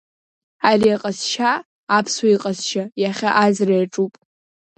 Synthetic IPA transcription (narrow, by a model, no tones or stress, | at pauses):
ariaqʼasʃaː | pʰswaiqʼasʃajaχʲaʔazrajaʈ͡ʂʼupʼ